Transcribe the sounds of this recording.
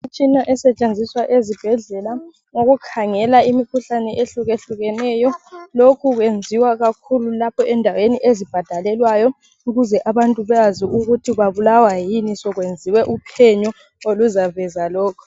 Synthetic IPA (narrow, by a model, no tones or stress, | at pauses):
it͡ʃʼinaʔɛsɛt͡ʃʼend͡zʱiswaʔezib̥ʱɛɮɛla | ŋoɣukʰaŋɛlaimikʰuɬanɛʔeɬuɣeɬuɣɛnɛːjɔlokʰuɣwend͡zʱiwaɣakʰululapʰɔʔɛndʱaweniʔezib̥ʱad̥ʱalɛlwajɔ | uɣuzɛʔaβantʼuβɛaziʔuɣutʰiβaβulawajinisɔɣwend͡zʱiwɛʔupʰɛɲɔ | oluzavɛzalɔːkʰɔ̥